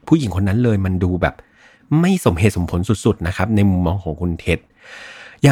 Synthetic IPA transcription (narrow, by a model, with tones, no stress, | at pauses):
pʰuː˥˩ji˨˩˦ŋkʰo˧nːa˦˥nlɤː˧jma˧nduː˧bɛː˨˩p̚ | ma˥˩jso˩˦mɦeː˨˩so˩˦mpʰo˩˦nsu˨˩t̪̚su˨˩t̪̚na˦˥kʰa˦˥p̚na˧jmu˧mːɔː˧ŋkʰɔː˩˦ŋkʰu˧nt̪ʰe˦˥t̪̚ | jaː˨